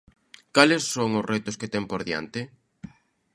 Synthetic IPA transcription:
kalesːoŋʊsrʔɛt̪ʊsket̪ɛŋpoɾðja̰nt̪ɪ

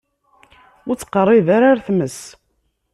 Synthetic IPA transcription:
ʊt͡sːqərˤːɪðaɾaɾθməs

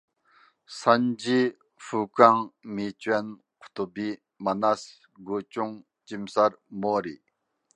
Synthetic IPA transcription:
sʰand͡ʑi | fukaŋmit͡ɕwan̥ | ht̪obi | mənas | ɦɡot͡ɕoŋ | t͡ɕimsarmorel̚

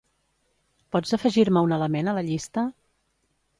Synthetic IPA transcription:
pɔzəfəʒiɾməunələmenələʎist̪ə

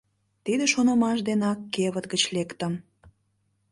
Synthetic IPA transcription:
t̪id̪eʃonɑmɑʃd̪enɑkːeβət̪ɡət͡ɕlekt̪ə̆m

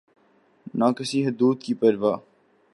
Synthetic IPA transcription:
naːkɪsiːɦʊd̪uːd̪̚kipəɾʋaː

